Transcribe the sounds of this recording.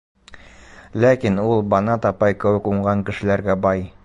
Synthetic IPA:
lækinulˠbɑnɑt̪ɒpɑjkɘ̆wɘ̆kuɴɢɑŋkɘ̆ʃɘ̆læɾɡæbɑj

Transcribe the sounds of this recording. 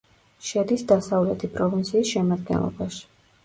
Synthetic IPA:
ʃɛd̪isd̪asavlɛt̪ʰipʰʼɾɔvint̪sʰiːsʃɛmad̪ɡɛ̰nlˠɔ̰baʃi̥

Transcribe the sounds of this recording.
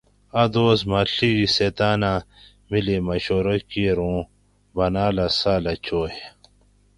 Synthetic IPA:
ɐd̪oːsmɐɬiɡiset̪aːna | milimɐɕoːɾɐkiɾũː | bɐnaːlɐsaːlɐt͡ɕoːje

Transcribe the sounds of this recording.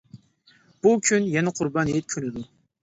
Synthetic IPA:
b̥ukʲʰynjɛnɛqʰʊɾbɑnjet̪̚kʲʰønɪd̪u

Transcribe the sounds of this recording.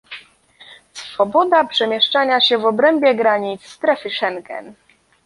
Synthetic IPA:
sfɔbɔd̪apʂɛmʲjɛʂt͡ʂaɲaɕɛvɔbɾɛmbʲjɛɡɾaɲit̪sːt̪ɾɛfɘʂɛŋkɛ̰n

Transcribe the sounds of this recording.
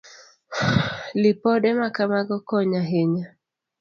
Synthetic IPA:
lɪpɔdɛmakamaɡɔkɔɲaɦeɲa

